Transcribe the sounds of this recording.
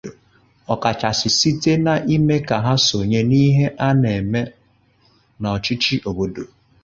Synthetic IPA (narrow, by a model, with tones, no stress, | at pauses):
ɔ˨ka˨t͡ʃa˨sɪ˨si˦te˦na˨ʔi˦me˦ka˨ɦa˦so˨ɲe˦ni˦ɦe˦ʔa˦ne˨me˦ | nɔ˨ɔ˨t͡ʃi˦t͡ʃi˦ʔo˨bo˦do˨